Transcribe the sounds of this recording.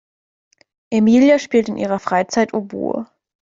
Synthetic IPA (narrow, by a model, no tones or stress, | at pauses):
ʔemiːljaʃpiːltɪnʔiːʁ̞ɐfʁ̥aɪt͡saɪtʰobṵː